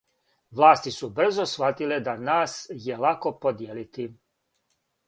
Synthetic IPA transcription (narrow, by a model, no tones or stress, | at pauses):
ʋlˠaːst̪isubr̩zosʋat̪iled̪anaːsjelako̞pod̪jeːlit̪i